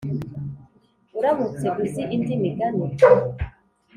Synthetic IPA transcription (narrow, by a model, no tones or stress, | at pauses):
uɾamut͡siɡuziʔindimiɡanu